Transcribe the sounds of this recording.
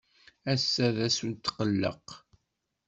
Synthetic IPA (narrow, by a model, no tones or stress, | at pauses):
æsːæðæsunt̪ːqəlːə̰q